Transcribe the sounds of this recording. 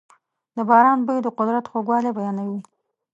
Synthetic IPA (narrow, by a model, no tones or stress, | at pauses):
d̪əbɑɾɑnbəjd̪əqʊd̪ɾat̪xoɡwɑlebajɑnawi